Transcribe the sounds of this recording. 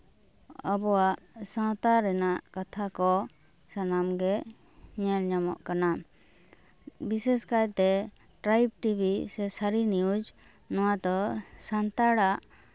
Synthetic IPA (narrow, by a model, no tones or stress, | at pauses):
ɔbɔwaʔsɔ̃wt̪aɾɛnaʔkat̪ʰakɔ | sanamɡɛ | ɲɛlɲamɔ̰ʔkana | bisɛskajt̪ɛ | ʈɾajb̚ʈibʱisɛsaɾiniud͡ʒ | nɔwad̪ɔsant̪aɽaʔ